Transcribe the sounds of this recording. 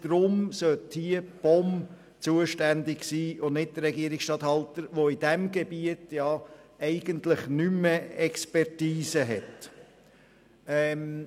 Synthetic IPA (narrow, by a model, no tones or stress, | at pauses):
d̪̥ɾʊmsœthiəb̥ɔm | t͡suəʃtændɪɡsiːʊnnɪt̚d̥̪əɾːɛɡiəɾɪksʃtɑthɑlt̪əɾʋoid̥æmɡebiətjɑɛɪɡ̥əntlɪχnyməɛkspɛɾtiːsəɦɛt | ɛm